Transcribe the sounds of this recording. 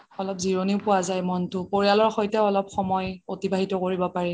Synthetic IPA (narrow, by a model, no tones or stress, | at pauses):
ɔlɔpziɹoniʊpʊwazajmɔntʊpoɹialɔɹxojtɛɔlɔpxɔmɔjotibʱaɦitɔkoɹibɔpaɹɛ